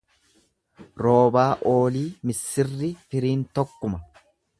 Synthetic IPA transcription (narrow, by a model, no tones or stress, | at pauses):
ɾo̞ːbaːʔo̞ːliːmɪsːɪrːɪfɪɾiːnt̪ɔkːʊmɐ